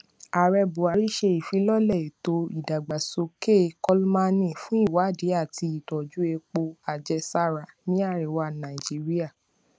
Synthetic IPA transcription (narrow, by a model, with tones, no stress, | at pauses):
a˨ɾɛ˧bu˨a˨ɾi˦ʃe˧i˨fi˨˦lɔ˦lɛ˦˨i˨to˧i˨da˨ɡ͡ba˨so˧ke˦˨kɔ˦lma˧nĩ˦˨fũ˨˦i˦˨wa˨˦˨de˨˦a˦˨ti˧i˦˨dɔ˨d͡ʒu˨˦e˧k͡po˧a˨d͡ʒɛ˧sa˦ɾa˨nĩ˦a˦˨ɾɛ˨wa˧˨nã˨i˨d͡ʒi˨˦ɾi˦a˦˨